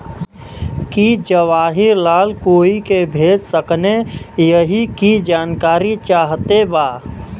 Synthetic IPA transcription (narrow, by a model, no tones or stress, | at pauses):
kid͡ʒəʋaːɦɪɾlaːlkoːikebʱeːd͡ʒsəknejəɦikid͡ʒaːnkaːɾit͡ʃaːɦt̪ebaː